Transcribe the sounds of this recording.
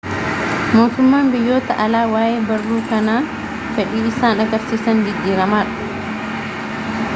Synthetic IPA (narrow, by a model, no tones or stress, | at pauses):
mo̞ːt̪ʊmːaːnbɪjːoːt̪ɐʔɐlaːwaːʔeːbɐrːuːkɐnaː | fɛᶑiːɪsaːnɐɡɐɾsiːsɐnɡɪdːiːɾɐmaːᶑɐ̥